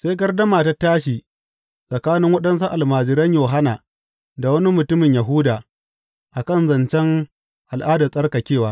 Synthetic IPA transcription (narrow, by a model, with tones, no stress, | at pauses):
se˦jɡɐ˦rdɐ˦maː˨ta˦taː˦ʃiː˨ | sʼɐ˨kaː˦nɪ˦ŋwɐ˦ɗɐ˦ns̬a˦ʔa˨lmaː˨d͡ʒɪ˨ɾɐ˦ɲjoː˨ɦa˦naː˨ | da˨wɐ˦ni˦mʊ˨tʊ˦mɪ˨ɲjɐ˨ɦʊ˦daː˨ | ʔa˨kɐ˦˨nzɐ˨nt͡ʃɛ˦ŋ | ʔa˨lʔaː˦daː˨sʼɐ˦rka˨kʲeː˦˨waː˦